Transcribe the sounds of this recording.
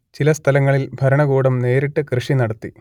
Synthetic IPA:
t͡ɕilɐst̪ʰɐlɐŋːɐɭilbʱɐɾɐɳɐɣuːɽɐmne̞ːɾiʈːɨkrɨʂinɐɽɐt̪ːi

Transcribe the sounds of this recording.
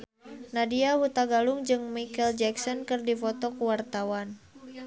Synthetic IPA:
nadiahut̪aɡaluŋd͡ʒɨŋmikɛld͡ʒɛksɔnkɨrdifɔt̪ɔkuwart̪awan

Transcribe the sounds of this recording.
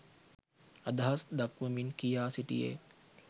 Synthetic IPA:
ad̪ɐɦasd̪akʋəminkijaːsiʈḭjḛ

